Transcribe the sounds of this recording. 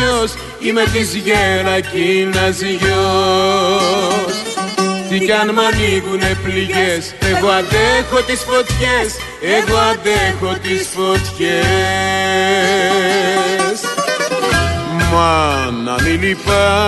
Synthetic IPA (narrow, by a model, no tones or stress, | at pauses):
os | imet̪izʝeɾɐcinɐziʝo | st̪ikɐnmɐniɣunepliʝeseɣoɐðexot̪isfot̪çes | eɣoɐðexot̪isfot̪çe | s | mɐnɐ̰nilifɐ